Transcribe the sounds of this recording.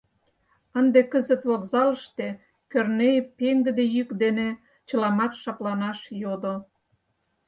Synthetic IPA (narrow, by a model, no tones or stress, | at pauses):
ənd̪ekəzə̆t̪βokzɑləʃt̪e | kørnejpeŋɡə̆d̪ejykd̪ene | t͡ɕə̆lɑmɑt̪ʃɑplɑnɑʃjod̪o